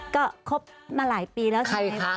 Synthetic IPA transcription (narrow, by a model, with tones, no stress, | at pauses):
kɔː˥˩kʰo˦˥p̚maː˧laː˩˦jpiː˧lɛː˦˥wka˧˩jkʰa˦˥